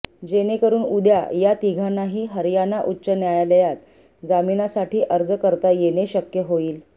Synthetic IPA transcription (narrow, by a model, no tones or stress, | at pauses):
d͡ʑenekəɾuːnud̪ja̰jat̪iɡʱanːaɦiːɦəɾjanaʔutːɕənjajaləjat̪ | d͡zaminasaʈiːʔəɾd͡zəkəɾt̪ajeneɕəkjəɦoiːl